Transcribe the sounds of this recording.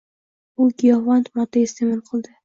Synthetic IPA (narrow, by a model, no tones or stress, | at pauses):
ʊɡʲijɒvant̪mɒt̪aest̪emɪlqʰɨlˠd̪ɪ